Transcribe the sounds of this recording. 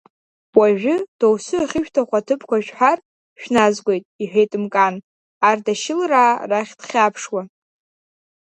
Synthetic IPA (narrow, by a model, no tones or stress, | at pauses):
waʒᶣʷʊd̥owsɨaχʲɪʃᶣtʰaχʷatʰɨpʰkʷaʃᶣħʷar | ʃᶣnazɡʷe̞jtʼiħʷᶣejtʼɨmkʼan | ardaʃɪlraːraχʲdχʲapʰʂwa